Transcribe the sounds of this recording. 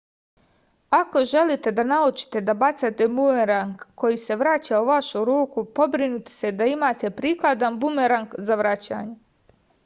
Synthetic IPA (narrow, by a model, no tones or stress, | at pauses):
ako̞ʒe̞lit̪e̞d̪anaut͡ʃi̥t̪e̞d̪abat̪sat̪e̞mueɾaŋkːo̞jise̞ʋɾat͡ɕauʋaʃuɾuːkupo̞bɾinut̪e̥se̞d̪aimaːt̪e̞pɾiːklad̪anbumeɾaŋkzaʋɾat͡ɕa̰ːɲe